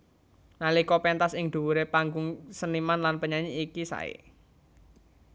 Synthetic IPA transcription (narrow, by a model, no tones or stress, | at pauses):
nalikɔpɛnt̪asɪŋd̪̥ṳwuɾepaŋɡʊŋsənimanlanpəɲaɲiːkisa̰ḛ